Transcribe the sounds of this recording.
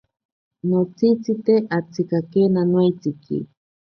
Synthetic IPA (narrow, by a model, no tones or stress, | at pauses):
not͡sit͡sit̪eʔat͡sikakenanwajt͡sikḭ